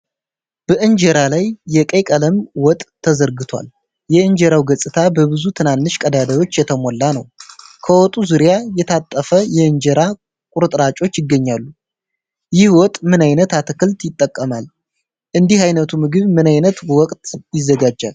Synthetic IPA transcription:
b̥əʔɨnd͡ʒɛɾalajːɛkʼejkʼələmwɔt̪ʼʰːəzəɾɡɨt̪ʰwa̰l | jɛɨnd͡ʒɛɾawɡəsʼɨt̪ʰabəβɨzut̪ʰɨnanːɨʃkʼəd̪ad̪əjo̞t͡ʃːjɛt̪ʰəmɔlːanəwkʰəwɔt̪ʼuzuɾjajɛt̪ʰat̪ʼːəfəjɛɨnd͡ʒɛɾa | kʼuɾɨt̪ʼɾat͡ʃʼo̞t͡ʃːjɪɡːəɲːalːu | jɪhwɔt̪ʼmɨnajnət̪at̪ʰɨkɨlt̪jɪt̪ʼːəkʼːəmal | ʔɨnd̪ihajnət̪ʰumɨɡɨβmɨnajnət̪wɔkʼt̪jɪzːəɡad͡ʒːa̰l

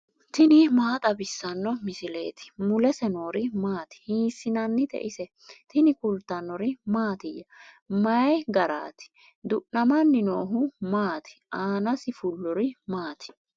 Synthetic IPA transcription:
t̪ɪnɪmaːt̪ʼɐbɪsːɐnːɔmɪsɪlḛːt̪ɪ̥mʊlɛsɛno̞ːɾɪmaːt̪ɪ̥hiːsːɪnɐnːɪt̪ɛ̰ʔɪsɛ | t̪ɪnɪkʊlt̪ɐnːɔɾɪmaːt̪ɪjːɐ | mɐjɡɐɾa̰ːt̪ɪ̥ | d̪ʊʔnɐmɐnːɪnoːɦʊmaːt̪ɪ̥ʔaːnɐsɪfʊlːɔɾɪmaːt̪ɪ̥

